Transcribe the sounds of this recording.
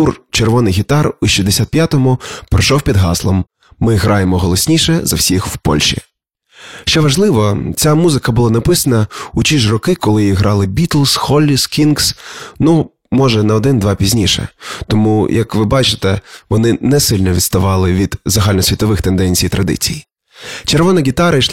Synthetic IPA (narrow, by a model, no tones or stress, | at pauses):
t̪urt͡ʃerʋɔnɪjɦʲit̪ɑruʃʲizd̪esʲat̪̚pjat̪ɔmʊpɾɔʃɔwpʲid̪ɦɑslˠɔmː | ɪɦɾɑjemɔɦɔlˠɔsʲnʲiʃɛzɐ̰wsʲixw̥pɔ̰lʲʃḭ | ʃt͡ʃɛʋɐʒlˠɪʋɔt͡sʲamuzɪkɐbʊlˠɑnɐpɪsɐnɐut͡ʃʲiʒrɔkɪkɔlˠɪjiɦɾɑlˠɪbʲit̪lˠsxɔlʲːiskʲinɡsnu | mɔʒɛnɐɔd̪ɪnd̪ʋɑpʲizʲnʲiʃɛ̰t̪ɔmujɐkʋɪbɑt͡ʃɪ̥t̪ɛʋɔnɪnɛsɪlʲnɔʋʲid̪st̪ɐʋɑlˠɪʋʲid̪̥zɐɦɑlʲnɔsʲʋʲit̪ɔʋɪxt̪end̪ɛnʲt͡sʲijt̪ɾʔɐd̪ɪ̰t͡sʲij | t͡ʃeɾʋɔnɐɡʲit̪ɑɾɐjʃ